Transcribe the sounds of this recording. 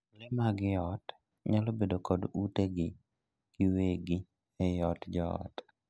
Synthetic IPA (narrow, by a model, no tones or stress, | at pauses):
lɪmaɡɪɔt | ɲalobedokɔduteɡɪ | ɡ̥ɪweɡɪ | ɛjɔtd͡ʒɔɔ̰t